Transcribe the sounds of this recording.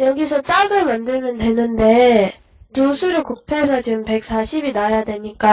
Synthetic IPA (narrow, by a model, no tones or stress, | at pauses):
jʌɡisʰʌt͡ɕ͈aɡɯɭmandɯɭmjʌndwe̞nɯnde̞ | tusʰuɾɯkuk̚pʰe̞sʰʌt͡ɕimpe̞k̚s͈ʰaɕʰibinajadwe̞ɲik͈a